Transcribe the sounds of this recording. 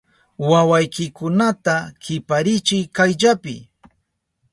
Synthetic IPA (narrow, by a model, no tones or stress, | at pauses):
wawajkɪkʊnat̪akɪpaɾɪt͡ʃɪjkajʎapɪ̰